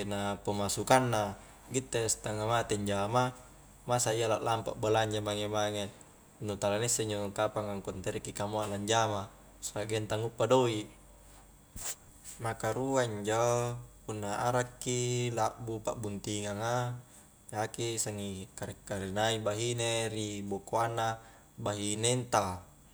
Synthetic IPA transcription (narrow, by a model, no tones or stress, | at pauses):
kenapomasukanːa | ɡit̪ːest̪aŋamat̪eɲd͡ʒama | masaijalaʔlampa̰ʔbalaɲd͡ʒamaŋemaŋe | nut̪alanisːeiɲd͡ʒokapaŋaŋkont̪eɾekːikamoaʔlaɲd͡ʒama | saɡent̪aŋupːadoi | makaɾuaiɲd͡ʒopunːaaɾakːilaʔbupa̰bunt̪iŋaŋa | d͡ʒakisaŋikaɾɛkːaɾenaibaɦineɾibokoanːa | baɦinent̪a